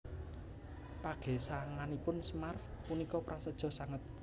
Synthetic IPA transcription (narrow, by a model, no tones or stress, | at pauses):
paɡ̥ɛ̤saŋanipʊnsmar | punikɔpɾasəd̥ʒ̥ɔ̤saŋət̪̚